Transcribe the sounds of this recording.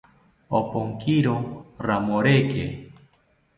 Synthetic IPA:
o̰poŋkiɾoramoɾekḛ

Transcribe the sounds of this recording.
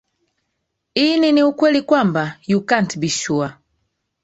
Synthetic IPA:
ininiukwɛlikwambajukantibiʃua

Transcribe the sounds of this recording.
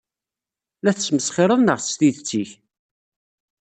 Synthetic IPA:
læθəsməsχɪɾˤəðnəʁθst̪iðt͡sːiç

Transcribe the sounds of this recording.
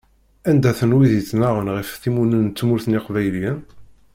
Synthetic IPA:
ænd̪æθənwiðit͡sːnaʁənʁəfθimunənːt͡sːmʊɾθniqvæjljæn

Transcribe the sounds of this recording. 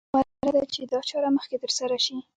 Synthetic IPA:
waɾad̪at͡ʃed̪ɑt͡ʃɑɾaməxket̪əɾsaɾaʃi

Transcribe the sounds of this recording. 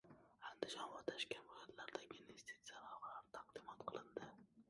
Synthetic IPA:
and̪ɪʃɒnvaɾt̪ʰaʃkʲanbojat̪laɾd̪aɡʲɪnvest̪ʰisijalɒʁɑlaɾɪt̪ʰaq̚d̪ɪmɒt̪qʰɨlˠɪnd̪ɪ

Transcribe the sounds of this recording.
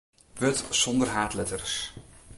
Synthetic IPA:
ʋøtsɔndərɦaːtlɛtərs

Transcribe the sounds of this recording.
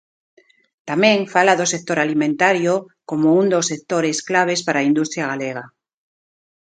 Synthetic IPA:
t̪amẽŋfalaðosek̚t̪oɾalimẽnt̪aɾjo | komound̪osːek̚t̪oɾesklaβ̞espaɾaind̪ust̪ɾjaɣ̞aleɣa

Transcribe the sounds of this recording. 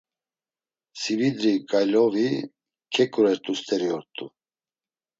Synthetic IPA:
sivid̪ɾikʼajlɔvi | kʰɛkʼuɾɛɾt̪ʼust̪ʼɛɾiɔɾt̪ʼu

